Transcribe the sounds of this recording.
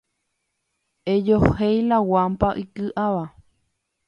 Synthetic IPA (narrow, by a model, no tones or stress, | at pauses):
ed͡ʒohejlawampaʔikɨʔaʋa